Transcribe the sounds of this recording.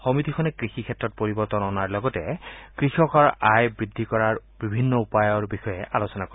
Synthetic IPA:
xɔmitikʰɔnɛkɹixikʰɛtɹɔt̚poɹibɔɹtɔnɔnaɹlɔɡɔtɛ̰kɹixɔkɔɹajbɹidʱːikɔɹaɹbibʱinːɔupajɔɹbixɔjɛʔalosɔnakoɹi

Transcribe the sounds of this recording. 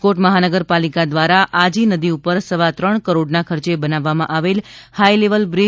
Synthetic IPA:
koʈməɦanəɡəɾpalikad̪ʋaɾaʔad͡ʒinəd̪iupəɾsəʋat̪ɾəɳkəɾoɖnakʰəɾt͡ʃebənaʋːamãʔaʋelhaileʋəlbɾi

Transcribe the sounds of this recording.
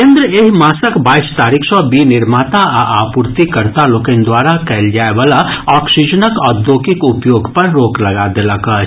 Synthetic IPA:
kẽːnd̪ɾəeɦmaːsəkbaːɪst̪aːɾikʰsɔbinɪɾmaːt̪aʔaʔaːpʊɾt̪ikəɾt̪aloːkẽnd̪waːɾakɛld͡ʒaːeʋaːlaɔːksɪd͡ʒənəkɔːɾd̪oːkɪkʊpjoːɡpɐɾːoːklɐɡad̪eːləkə

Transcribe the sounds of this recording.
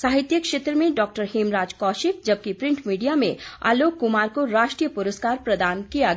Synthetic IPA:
saːɦɪt̪jəkʃeːt̪ɾəmẽɖɔːk̚ʈəɾɦemɾaːd͡ʒkɔːʃɪk̚d͡ʒɐb̚kipɾɪ̃ɳʈmiːɖijamḛ̃a̰ːloːkːʊmaːɾkoɾaːʃʈɾijəpʊɾəskaːɾpɾɐd̪aːnkijaɡ

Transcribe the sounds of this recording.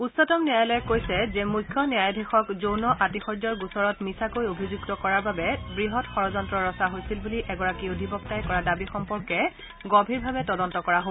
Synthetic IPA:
usɔtɔmniajlɔɛkojsɛzɛmujkʰːjɔniajdʱixɔkzownɔʔatixɔɹdɔɹɡusɔɹɔtmisakojobʱizuɡtɔkɔɹaɹbabɛbɹiɦɔtxɔɹɔzɔntɹɔɹɔsaɦojsilbuliʔɛɡɔɹakiodʱibɔk̚tajkɔɹadabixɔmpɔɹkɛ | ɡɔbʱiɹbʱabɛtɔdɔntɔkɔɹaɦo

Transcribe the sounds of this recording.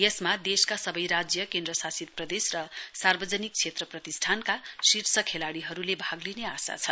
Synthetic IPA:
jʌsmad̪eskasʌbʌjɾad͡zjʌkend̪rʌsasit̪̚prʌd̪esrʌsarbʌd͡zʌnik̚t͡sʰet̪rʌprʌt̪isʈ̪ʰankasirsʰʌkʰelaɽiɦʌɾulebʱaɡlineasa̰t͡sʰʌ

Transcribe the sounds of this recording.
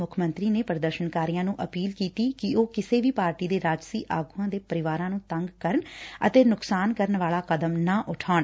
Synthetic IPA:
ʊkʰmənt̪ɾiːneːpəɾd̪əɾʃənkaːɾiːjãːnũːʔəpiːlkiːt̪iːkɪoːkɪseːʋiːpaːɾʈiːd̪eːɾaːd͡ʒsiːʔaːɡuːãːd̪eːpəɾɪʋaːɾãːnũːt̪əŋɡkəɾəɳə̰t̪eːnʊksaːnkəɾəɳʋaːlaːkəd̪əmnãːʔʊʈʰaːɳ

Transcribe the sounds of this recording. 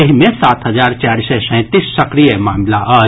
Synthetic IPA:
eɦmẽsaːt̪ɦɐd͡ʒaːɾt͡ʃaːɾsɛsɛ̃t̪isːɐkɾijemaːmlaʔə

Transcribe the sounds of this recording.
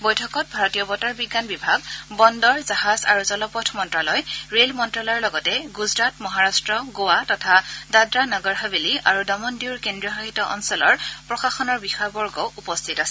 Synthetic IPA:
bɔjtʰɔkɔt̚bʱaɹɔtiɔbɔtaɹbiɡːanbibʱaɡbɔndɔɹzaɦaza̰ɹuzɔlɔpɔtʰmɔntɹalɔjɹelmɔntɹalɔjɔɹlɔɡɔtɛɡuzɹatmɔɦaɹastɹɔɡowatɔtʰadadɹanɔɡɔɹɦabiliʔa̰ɹudɔmɔndiwɹkendɹijɔɦahitɔʔɔ̰nsɔlɔɹpɹɔxaxɔnɔɹbixɔjbɔɹɡɔwupɔstʰitasɛ̥

